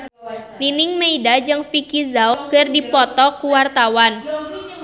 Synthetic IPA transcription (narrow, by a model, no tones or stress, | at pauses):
ninɪŋmeidad͡ʒɨŋfikizaʊkərdipɔt̪ɔkuwart̪awan